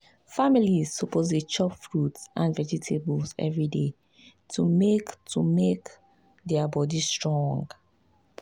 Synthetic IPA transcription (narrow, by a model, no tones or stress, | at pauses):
familizsɔpoz̬det͡ʃɔpfɹutsʔãnvɛd͡ʒitʰebɔlsɛ̰vɹide | tʰumektʰumek | dɛabɔdistɹɔ̃ŋɡ